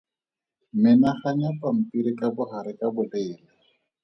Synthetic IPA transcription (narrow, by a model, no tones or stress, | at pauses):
mɪnaχaɲapam̩piɾɪkabʊχaɾɪkʼabʊleɪːla